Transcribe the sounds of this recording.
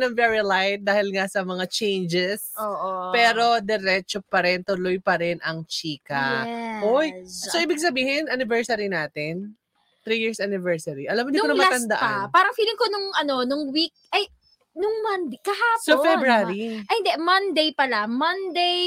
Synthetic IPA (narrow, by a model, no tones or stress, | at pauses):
nɐŋvɛɹilajt̪̚d̪aːhɪlŋɐsɐmɐŋat͡ʃɛjnd͡ʒɛsoːʔopɛːɾo̞d̪ɛɾɛt͡ʃopɐɾɛnt̪ʊlojpɐɾɛnɐŋt͡ʃiːkɐʔojoʔiːbɪɡ̚sɐbiːhɪnʔɐnɪvɛɹsɐɾinaːt̪ɪn | t̪ɾijɪɹsʔanɪvɛɹsɐɾiʔɐlamːd̪ʊnɐmɐat̪ɐnd̪ɐ̰ʔɐ̰paːɾɐŋfiːlɪŋkonʊŋʔɐno̞nʊŋwik̚ʔɐj | nʊŋmɐnd̪kɐhasofɛbaɾiʔɐhɪnd̪ɛmɐnd̪ejpɐlamɐnd̪ej